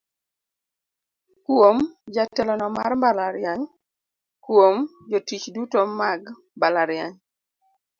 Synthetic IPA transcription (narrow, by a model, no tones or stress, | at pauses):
kwomd͡ʒatɛlɔnɔma̰rmbalaɾɪaɲ | kwomd͡ʒotit͡ʃdutomaɡ | mbalaɾjaɲ